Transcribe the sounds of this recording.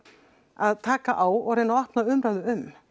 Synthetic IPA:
aðt̪ʰaːkaʔaːwɔɾenaɔhpnaʏmɾaɥðʏʏm

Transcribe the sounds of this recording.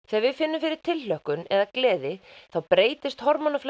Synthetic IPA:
θɛaɾvɪðfɪnːʏmfɪɾɪɾ̥t̪ʰɪllœhkʏnɛðaklɛːðɪθawpɾeːjt̪ɪst̪hɔɾmɔnafl

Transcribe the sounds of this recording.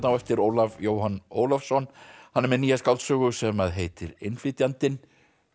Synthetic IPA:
t̪nawɛft̪ɪɾoːwlavjoːwhanoːwlafsɔnhanːɛɾmɛnijaskawlt̪sœːɣʏsɛmaðɦejt̪ɪɾɪ̰nflɪːt̪jant̪ɪn

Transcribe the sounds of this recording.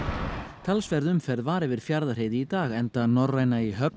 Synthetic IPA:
t̪ʰalsvɛɾðʏmfɛɾðvaːɾɛvɪɾ̥fjaɾðar̥ejðɪit̪aːɣɛnt̪anɔraːjnaiɦœp

